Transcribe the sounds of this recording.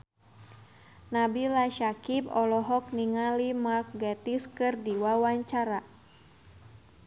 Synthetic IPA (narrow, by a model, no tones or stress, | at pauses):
nabilaʃakibɔlɔɦɔk̚niŋalimark̚ɡɛt̪iskɨrdiwawaɲt͡ʃaɾa